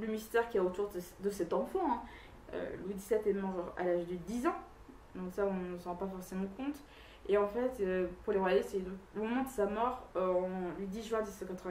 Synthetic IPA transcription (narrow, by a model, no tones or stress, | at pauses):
lymist̪ɛʁkʲiɛot̪uʁd̪əd̪əsɛt̪ɑ̃fɑ̃ɛ̃ | ø̰lwid̪isɛt̪ɛmɑʁʁa̰laʒd̪əd̪izɑ̃ | d̪ɔ̃ksaɔ̃nəsɑ̃pafɔʁsemɑ̃kɔ̃t̪ | eɑ̃fɛt̪øpuʁleʁwajajesɛd̪ɔ̃komɔmɑ̃d̪əsamɔʁɔ̃lwid̪iʒɥɛ̃d̪isɑ̃kat̪χəvɛ̃